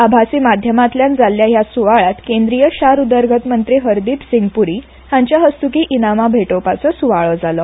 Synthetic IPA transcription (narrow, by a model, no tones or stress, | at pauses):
abʱasiːmad̪ʱjəmat̪ljãnd͡zalːjajasuʋaɭat̪kẽnd̪ɾijəɕaɾud̪əɾɡʱət̪mənt̪ɾiːɦəɾd̪iːpsiŋɡpuɾiː | haɲt͡ɕjaɦəst̪ukiːʔinamabʱeʈopat͡sɔsuʋaɭɔd͡zalɔ